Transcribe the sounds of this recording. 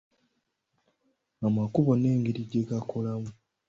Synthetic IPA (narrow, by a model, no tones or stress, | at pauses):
amakuβo̞ne̞ːŋɡiɾiɟːeɡakʰolamu